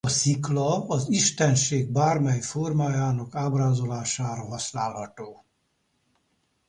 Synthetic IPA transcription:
ɒsiklɒɒziʃt̪ɛnʃeːɡ̚baːrmɛjformaːjaːnɒkaːbraːzo̞laːʃaːɾɒɦɒsnaːlhɒt̪oː

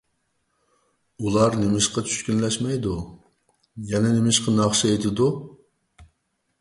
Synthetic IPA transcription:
ulˠɑɾnemɪʃqɑt͡ʃʰy̥ʃkʲynlɛʃmɛjd̪u | jɛnɛnemɪʃqʰɑnɑχʃɪet̪ʰɪd̪u

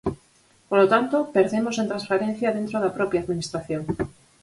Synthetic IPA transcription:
polot̪ant̪opeɾðemosent̪ɾãsfaɾẽn̟θjaðẽnt̪ɾoðapɾopjaːðminist̪ɾaθjoŋ

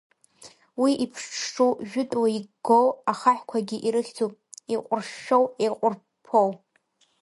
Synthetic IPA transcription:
wiʔipʰʂʈ͡ʂʰʈ͡ʂʼuwʒᶣʊtʼwaiɡɡowaχaħkʷʰaɡʲiʔiɾɨχʲd͡zʰupʼiqʷʼʊrʃːowejqʷʼʊr | pʰow

